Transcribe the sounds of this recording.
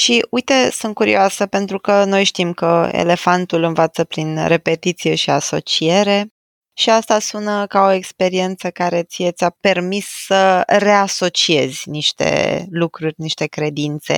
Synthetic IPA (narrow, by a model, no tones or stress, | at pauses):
ʃiujt̪e̞sunt̪̚kuɾḭoasəpe̞nt̪ɾukəno̞jʃt̪imkəḛle̞fant̪ulɨnvat̪səpɾinre̞pe̞t̪it̪sije̞ʃiaso̞̰t͡ʃie̞ɾe̞ | ʃiast̪asunəkao̞e̞kspe̞ɾie̞nt̪səkaɾe̞t̪sijet̪sʲape̞rmisːəre̞aso̞t͡ʃie̞zʲniʃt̪ḛlukɾurʲniʃt̪e̞kɾe̞d̪int̪se̞̰